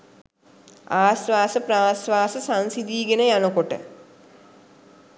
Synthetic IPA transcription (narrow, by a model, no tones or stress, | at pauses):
aːsʋaːsəpraːsʋaːsəsãnsid̪iːɡenəjanəkoʈə̰